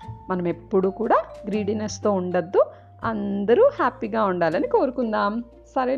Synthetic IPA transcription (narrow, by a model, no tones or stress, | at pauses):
mɐnɐme̞pːuɽuːkuːɽaːɡɾiːɖinest̪oːuɳɖɐd̪ːu | ɐ̰nd̪ɐɾuhaːpiɡaːuɳɖaːlɐniko̞ːɾukund̪aːm | sɐɾe